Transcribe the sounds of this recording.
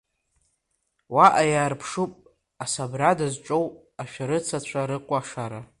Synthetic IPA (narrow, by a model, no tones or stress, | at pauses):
waʔajaːrpʰʂupʼ | asabradazʈ͡ʂʷʼow | aʃᶣaɾɨt͡sʰat͡ɕʷʰaɾɨqʷʼaʂaɾa